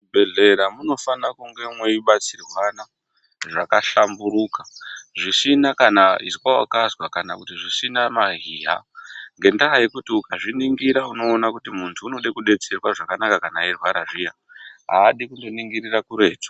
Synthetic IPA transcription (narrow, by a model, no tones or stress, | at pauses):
beɮe̞ɾamuno̞fanakuŋɡe̞mwe̞iɓat͡sirwana | ʐakaɬambuɾuːkḁʐisinakanaḭsikwawakazwakanakutiʐisinamaɦiːɦa̰ŋɡe̞ndaɦaikutiukaʐiniŋɡiɾauno̞ːnakutimuntʰuːno̞ɗekuɗe̞t͡se̞rwaʐakanakakanairwaɾaʐija | ɦa̰ːɗikundo̞niŋɡiɾirakuɾe̞ːd͡zo̥